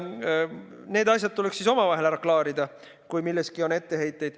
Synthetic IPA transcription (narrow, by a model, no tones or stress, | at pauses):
ne̞ːd̪ɑs̬ʲjɑt̪̚t̪ule̞ksiso̞mɑvɑɦe̞læɾɑklɑːɾid̪̥ɑ | kujmilːe̞skio̞ne̞t̪ːe̞he̞jt̪ːˑe̞jd̪̥